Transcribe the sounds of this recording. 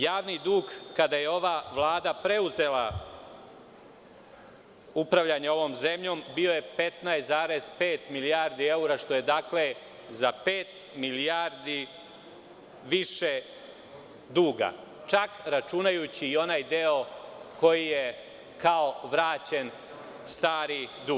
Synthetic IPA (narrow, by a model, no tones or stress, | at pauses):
jaːʋnid̪uːɡkad̪aje̞o̞ʋaʋlˠaːd̪apɾe̞uze̞la | upɾaʋʎaɲeo̞ʋo̞ːmze̞mʎo̞ːmbio̞je̞pet̪najszaːɾe̞z̥peːt̪miliaːɾd̪ie̞uɾaʃt̪o̞je̞d̪aːkle̞ | zapeːt̪ | miliaɾd̪i | ʋiʃe | d̪uːɡa̰ | t͡ʃakɾat͡ʃunajut͡ɕiːo̞najd̪e̞o̞ko̞jije | kaoʋɾaːt͡ɕe̞n | st̪aːɾid̪u